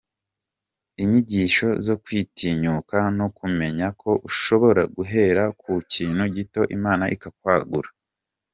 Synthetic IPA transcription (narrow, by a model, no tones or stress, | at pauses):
iɲiɟiːʃo̞zo̞kwiːtʰiɲukanokume̞ɲakʰo̞ʔuʃo̞βo̞ɾaɡuɦe̞ːɾakʰuciːnhuɟito̞ʔimaːnaʔikak̚waːɡuɾa